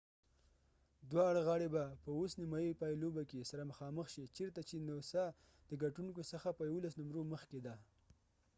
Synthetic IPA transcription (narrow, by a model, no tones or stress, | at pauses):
d̪wɑɽɣɑɽebapəosnɪmɑjipɑjilobakesaɾaməxɑməxʃit͡ʃeɾt̪at͡ʃenosa | d̪əɡaʈuŋkosəxapəjawolasnʊmɾoməxked̪a